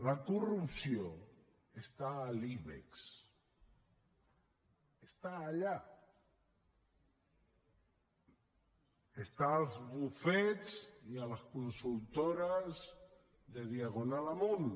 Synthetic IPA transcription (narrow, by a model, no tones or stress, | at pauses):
lakurupsio | est̪aːliβḛks | est̪aːʎa | est̪aːlˠzβufɛt͡sialəskunsulˠt̪oɾəz | ðeðiaɣunalamon